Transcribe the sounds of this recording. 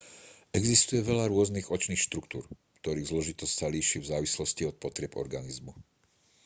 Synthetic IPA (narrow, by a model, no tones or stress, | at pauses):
ɛɡzist̪ujɛʋɛʎaɾʊɔzniːɣɔt͡ʃniːxʃt̪ɾukt̪ṵːɾ | kt̪ɔɾiːɣzlɔʒit̪ɔscsaliːʃivzaːʋislɔsciɔt̪̚pɔt̪ɾɪɛpɔ̰ɾɡanizmu